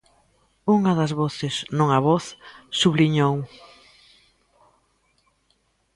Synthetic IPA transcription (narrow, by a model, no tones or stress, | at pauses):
uŋɐðɐzβɔθɪsnõŋɐβɔθsuβliɲow